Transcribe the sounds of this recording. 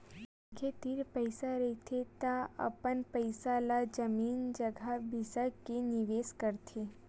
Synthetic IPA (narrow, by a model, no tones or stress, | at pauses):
kʰet̪iɾpəɪsaɾɐt̪ʰet̪aɐ̰pənpəɪsalad͡ʒəmiːnd͡ʒəɡʱabʱɪsakenɪʋeːskəɾt̪ʰe